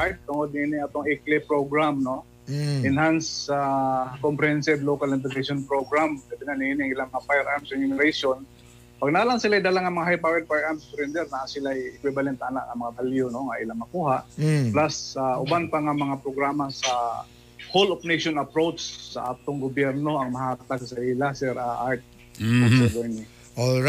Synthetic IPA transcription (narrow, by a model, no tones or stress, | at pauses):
aj̚t̪ʊŋod̪nɪiːnɪŋʔat̪oŋɛklɪpɾoɡɾamno | ɪnhansakompɾɛhɛnsɪd̪lokalɪnt̪ɛseʃonpɾoɡɾamɡ̥ɐbɪnanɪʔiːnɪɐŋɪlaŋmɐŋafajɛɾʔaɾmsɛɲʊnɪɾejʃon | paɡ̚naːlaŋsɪlajd̪alaŋɐmɐŋaɦajpawɛd̪̚pajʔaɾmspɾɛnd̪ɛɾnaʔansɪlajɪkwɪbalɛnt̪ːaːna̰ʔɐmɐŋabaljonoŋaʔɪlamɐkuːhaʔplasaʔʊbanpaŋamɐŋapɾoɡɾaːmasa | holopnejʃonɐpɾowt͡ʃsɐ̰ʔaːt̪oŋɡʊbjɛɾno̞ɐŋmɐhaːt̪aɡsaʔɪlasɛɾʔaʔaɹt̪̚ | asɛbɛɹni | o